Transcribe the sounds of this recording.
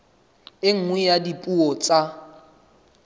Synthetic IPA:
ɪŋ̩ŋwɛjadipʼuɔt͡sʼa

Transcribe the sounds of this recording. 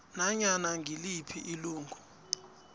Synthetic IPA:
naɲanaŋʱilipʰiʔiluːŋɡʱu

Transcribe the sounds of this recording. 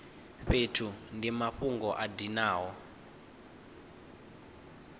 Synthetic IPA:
ɸetʰundimaɸuŋɡɔʔadinaːɦɔ

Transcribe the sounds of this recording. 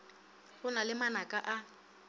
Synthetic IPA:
hʊnalɪmanakʼaʔa

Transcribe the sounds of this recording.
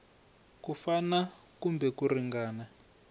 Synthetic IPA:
kufana | kumbɛkuriŋɡaːna

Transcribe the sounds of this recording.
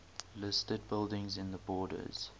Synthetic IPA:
lɪstəd̚bɪlˠdɪ̃ŋzɪ̃nðəbɔːdə̰z̥

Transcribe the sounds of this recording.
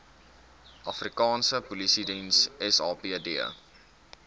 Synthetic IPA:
ʔɐfrikɑːnsəpulisidinsɛsɑːpiədiə̰

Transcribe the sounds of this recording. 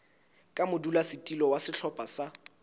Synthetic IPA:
kʼamʊdulasɪtʼilɔwasɪɬʰɔpʼasa

